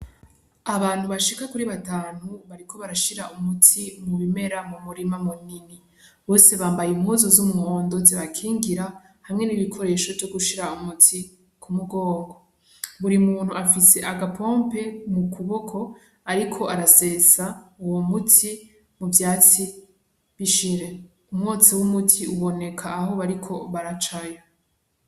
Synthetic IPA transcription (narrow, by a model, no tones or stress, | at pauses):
aβaːn̥huβaʃikakuɾiβataːn̥uβaɾikʰo̞βaɾaʃiɾaumutʰimuβime̞ɾamumuɾimamunini | βo̞ːse̞βaːmbajimhuːzozumŋoːndo̞ziβakʰiːŋɡiɾa | hamŋe̞niβikʰo̞ɾe̞ːʃo̞vjo̞ɡuʃiɾaumutʰi | kʰumuɡo̞ːŋɡo | βuɾimuːn̥huafise̞ʔaɡapʰompe̞mukʰuβokʰo̞ | aɾikʰo̞ʔaɾase̞ːsauwomutʰi | muvjaːt͡si | βiʃiɾe̞ | umŋoːt͡siwumutʰiuβo̞ne̞kʰaːɦo̞βaɾikʰo̞βaɾat͡ʃajo